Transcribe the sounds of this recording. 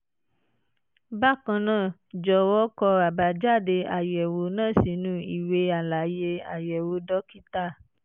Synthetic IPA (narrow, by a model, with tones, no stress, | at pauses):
ba˦˨kã˧nãː˦˨d͡ʒɔ˨˦wɔ˦kɔ˧a˨ba˨d͡ʒa˦˨de˧a˨jɛ˨wo˨˦nãː˦˨si˨˦nũ˦i˨we˧˦a˨la˨˦je˧a̰˨jɛ˨wo˧˦dɔ˦ki˦ta˦˨